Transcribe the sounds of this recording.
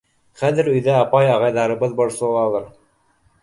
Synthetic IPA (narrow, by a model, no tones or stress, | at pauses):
χæðɘ̆ɾɵ̆jðæɑpɑjɑʁɑjðɑɾɤ̆βɤðbŏɾsɤ̆lˠɑlˠɤɾ